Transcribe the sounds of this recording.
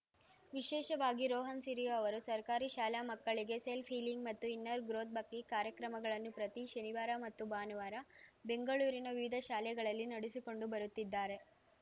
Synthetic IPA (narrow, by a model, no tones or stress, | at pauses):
ʋiʃɛːʃɐʋaːɡiɾɔːɦɐnsiɾijoɐʋɐɾusɐɾkaːɾiʃaːljaːmɐkːɐɭiɡe̞selpʰiːliŋɡmɐt̪ːuinːɐɾɡɾoːt̪̚bɐkːikaːɾjɐkɾɐmɐɡɐɭɐnːupɾɐt̪iʃɐniʋaːɾamɐt̪ːubaːnuʋaːɾɐbe̞ŋɡɐɭuːɾinɐʋiʋid̪ʱɐʃaːlɛɡɐɭɐlːinɐɽisiko̞ɳɖubɐɾut̪ːid̪ːaːɾe̞